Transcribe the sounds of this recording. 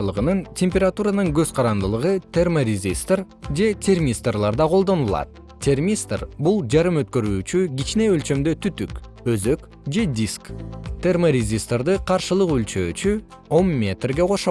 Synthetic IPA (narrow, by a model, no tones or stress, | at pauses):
lˠɯʁɯnɯntʲʰemʲpʲeɾat̪uɾanɯŋɡø̞z̥qʰɑɾɑnd̪ɯlˠɯʁɯt̪ʰʲe̞rmorʲɪzʲist̪r | d͡ʒe̞t̪ʲʰe̞rmʲist̪rlˠɑɾd̪ɑqʰo̞lˠd̪o̞nulˠɑ̰t̪̚ | t̪ʲʰe̞rmʲist̪rbulˠd͡ʒɑɾɯmø̞t̪̚kø̞ɾyːt͡ʃyɡʲit͡ʃne̞ølt͡ʃø̞md̪ø̞t̪ʰyt̪yk | øzø̞k | d͡ʒe̞d̪ʲiskt̪ʰʲe̞rmoɾʲezʲist̪rd̪ɯqʰɑɾʃɯlˠɯqylt͡ʃø̰ːt͡ʃy | o̞mːʲe̞t̪rɡe̞qʰo̞ʃ